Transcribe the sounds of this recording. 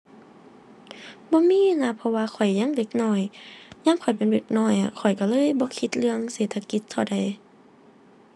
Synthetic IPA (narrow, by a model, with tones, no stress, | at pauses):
bɔː˧˦miː˧˥˨na˧˨pʰɔ˧waː˧xʰɔ˨˩jɲa˧˥˨ŋle˧˩k̚nɔː˧˩jɲaː˧˥˨ŋkʰɔ˨˩jpe˨nbe˧˩k̚nɔː˧˩ja˧kʰɔ˨˩jka˧˩lɤː˧˥˨jbɔː˧˦kʰi˧t̪̚lɯ˧əŋseː˨˩t̪ʰa˧ki˧t̪̚ʰːa˧˩wda˨˩j